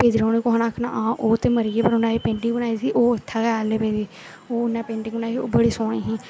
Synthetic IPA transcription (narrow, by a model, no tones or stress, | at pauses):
peːd͡ʒ̪iɾõːniːkʊɦãːnaːkʰna̰ːʔãːʔoːt̪eːməɾiːeːpəɾʊnaːiːpẽːɳʈɪ̃ŋbənaːiːsiːʔoːɪt̪ʰːaːkɛːleːpeːd͡ʒiː | oːʊnːɛ̃ːpẽːɳʈɪŋɡbənaːiioːbəɽiːsɔːɽ̃ĩːɦĩː